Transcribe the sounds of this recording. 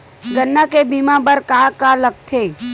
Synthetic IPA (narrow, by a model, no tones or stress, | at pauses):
ɡənːakebimãbəɾkakaləɡ̚t̪ʰe